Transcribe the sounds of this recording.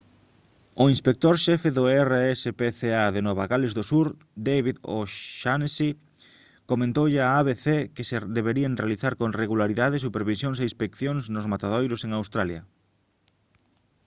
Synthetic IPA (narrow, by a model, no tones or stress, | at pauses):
oinspek̚t̪oɾʃɛfeðʊɛreɛsepeθeaðenɔβaɣalɪzðosuɾ | d̪ejβiðo̰ʃansi | komẽnt̪owʎɪaaβeθekɪseðeβeɾieŋrealiθaɾkoŋreɣulaɾiðaðɪsupeɾβisjoŋs̬eĩnspekθjoŋznʊzmat̪aðojɾʊseŋawst̪ɾaljɐ̰